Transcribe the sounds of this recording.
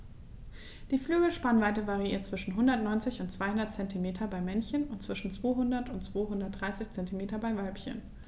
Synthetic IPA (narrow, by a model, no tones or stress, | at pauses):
d̥iːflyːɡl̩ʃpanvaɪtəvaʁiiːɐtt͡sv̥ɪʃn̩ɦʊndɐtnɔʏnt͡sɪçʊntt͡sv̥aɪhʊndɐtt͡sɛntimeːtʰɐbaɪmɛnçənʊntt͡sv̥ɪʃn̩t͡sv̥oːɦʊndɐtʊntt͡sv̥oːɦʊndɐt̚d̥ʁaɪsɪçt͡sɛntimeːtɐbaɪvalpçə̰n